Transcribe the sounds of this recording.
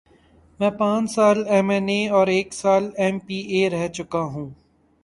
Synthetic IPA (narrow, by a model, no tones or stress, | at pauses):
mɛ̃ːpãːt͡ʃsaːlɛmɛneːɔːɾeːksaːlɛmpiːeːɾɛɦt͡ʃʊkaɦũː